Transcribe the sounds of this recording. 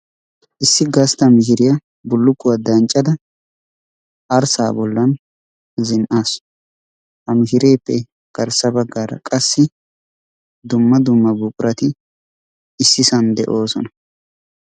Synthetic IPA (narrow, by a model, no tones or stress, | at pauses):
ʔɪsːɪɡɐst̪ɐmɪhɪɾɪjɐ | bʊlːʊkːʊwɐd̪ɐnt͡ʃʼːɐd̪ɐ | ʔɐɾsa̰ːbɔlːɐn | zɪnʔaːs | hɐmɪʃɪɾeːpːɛ | ɡ̥ɐɾsɐbɐɡːaːɾɐ̰kʼɐsːɪ | d̪ʊmːɐd̪ʊmːɐbuːkʼʊɾʔɐt̪ɪ | ɪsːɪsɐnd̪ɛ̰ʔo̞ːsɔnɐ